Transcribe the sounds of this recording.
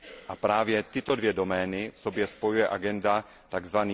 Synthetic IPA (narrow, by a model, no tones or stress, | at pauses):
ʔapɾaːvjɛt̪ɪt̪o̞dvjɛdo̞mɛːnɪfsobjɛspo̞jujɛʔaɡɛnda | t̪aɡzvaniː